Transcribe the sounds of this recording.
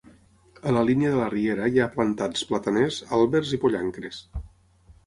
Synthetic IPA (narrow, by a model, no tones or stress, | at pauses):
ələliniəðələrieɾəjaplənt̪at͡splət̪ənezalˠβeɾzipoʎaŋkɾes